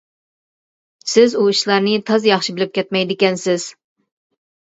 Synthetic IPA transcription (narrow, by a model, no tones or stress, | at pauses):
sɪzuiʃlˠɑɾnɪt̪ʰɑzjɑχʃibɪlɪp̚kʲʰɛt̪̚mɛjd̪ɪkʲɛnsɪz̥